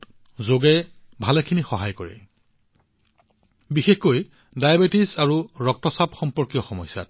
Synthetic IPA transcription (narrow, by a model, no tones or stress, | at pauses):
t | zoɡɛ | bʱalɛkʰinixɔɦajkɔɹɛ̰ | bixexkoj | dajabetisaɹuɹɔk̚tɔsabxɔmpɔɹkijɔxɔmɔjsa̰t